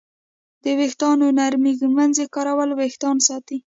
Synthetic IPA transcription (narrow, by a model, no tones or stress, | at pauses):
d̪̥əwext̪ɑnonaɾmiɡmanzekɑɾawəlwext̪ɑnsɑt̪i